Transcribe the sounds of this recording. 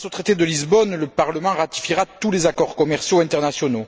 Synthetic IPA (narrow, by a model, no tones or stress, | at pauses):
sot̪χet̪ed̪əlizbɔnləpaʁləmɑ̃ʁat̪i̥fiʁatt̪ulezakɔʁkɔmɛʁsjoɛ̃nt̪ɛʁnasjɔno